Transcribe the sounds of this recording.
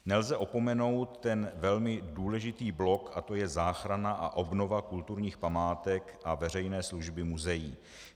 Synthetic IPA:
nɛlzɛʔo̞po̞mɛno̞wt̪ːɛnvɛlmɪduːlɛʒɪt̪iːblo̞kat̪o̞jɛzaːxɾanaʔa̰ʔo̞bno̞vakult̪uɾɲiːxpamaːt̪ɛkʔavɛr̝ɛjnɛːsluʒbɪmuzɛjiː

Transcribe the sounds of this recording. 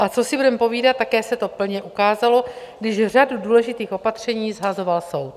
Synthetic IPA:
ʔat͡so̞sɪbudɛmpo̞viːdat̪ːakɛːsɛt̪o̞pl̩ɲɛʔukaːzalo̞ | ɡdɪʒr̝aduduːlɛʒɪt̪iːxo̞pat̪r̝̥ɛɲiːzɦazo̞valso̞wt̪̚

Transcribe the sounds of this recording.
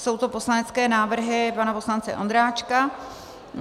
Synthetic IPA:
so̞wt̪o̞po̞slanɛt͡skɛːnaːvr̩ɦɪpanapo̞slant͡sɛ̰ʔo̞̰nd̪ɾaːt͡ʃka

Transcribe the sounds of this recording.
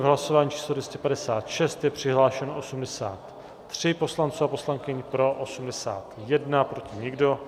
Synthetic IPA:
vɦlaso̞vaːɲiːt͡ʃʰiːslodvjɛscɛpadɛsaːt̪ʃɛst̪jɛpr̝̥ɪɦlaːʃɛnoʔosumdɛsa̰ːt̪ː | r̝̥ɪpo̞slant͡suapo̞slaŋkɪɲpɾo̞ʔosumdɛsa̰ːt̪jɛdnapɾo̞cɪɲɪɡdo̞

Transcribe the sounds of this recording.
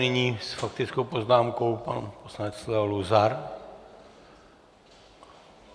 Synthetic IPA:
nɪɲiːsfakt̪ɪt͡skowpoznaːmko̞wpa̰nposlanɛt͡slɛluzaɾ

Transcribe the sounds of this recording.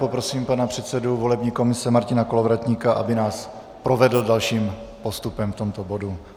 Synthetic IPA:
po̞pɾo̞siːmpanapr̝̥ɛt̪sɛduvo̞lɛbɲiːko̞mɪsɛmaɾcɪnako̞lovɾat̪ɲiːkaʔa̰bɪnaːs | pɾo̞vɛdl̩dalʃiːmpo̞st̪upɛmft̪o̞mt̪o̞bo̞du

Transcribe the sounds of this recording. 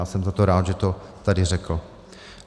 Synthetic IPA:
aːsɛmzat̪oɾaːd̪ʒɛt̪ot̪adɪrɛkl̩

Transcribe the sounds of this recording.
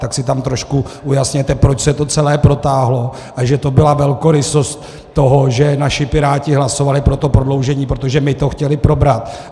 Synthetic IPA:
t̪aksɪt̪amt̪ɾoʃkuujasɲɛt̪ɛpɾo̞t͡ʃsɛt̪o̞t͡sɛlɛːpɾo̞t̪aːɦlo̞ | ʔaʒɛt̪o̞bɪlavɛlkoɾɪso̞st̪ː | oɦoʒɛnaʃɪpɪɾaːcɪɦlaso̞valɪpɾot̪o̞pɾodlowʒɛɲiːpɾot̪oʒɛmɪt̪o̞xcɛlɪpɾo̞bɾat̪

